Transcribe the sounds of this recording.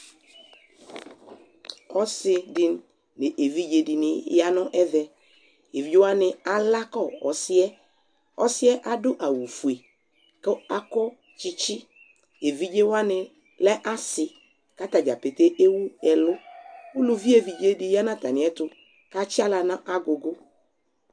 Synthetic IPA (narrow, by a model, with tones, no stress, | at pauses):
ɔ˦sɪ˦dɪ˦nː | ɪ̃˨ʔe˨vi˦d͡ʒe˨dɪ˨nɪ̃˨ja˦nʊ̃˦ʔɛ˦vɛ˦ | e˨vi˦wa˦nɪ̃˨a˨la˦kɔ˦˨ɔ˨sɪ˦ɛ˦ | ɔ˦sɪ˦ɛ˦ʔa˦dʊ˦ʔa˨wu˨fu˨e˨ | kɪ˦a˦kɔ˦ | t͡ʃɪ˦t͡ʃɪ˦ | e˨vi˦d͡ʒe˦wa˦nɪ̃˦ | lɛ˦ʔa˦sɪ˨ | ka˦ta˨d͡ʒa˨pe˨te˦ʔe˦wu˦ɛ˨lʊ˦wʊ˦lu˦vi˦e˨vi˨d͡ʒe˦dɪ˨ja˦nã˦˨ta˨nɪ̃˨ɛ˦tʊ˨ | ka˦t͡ʃɪ˦a˦la˨nã˦ʔa˦ɡʊ˨ɡʊ˦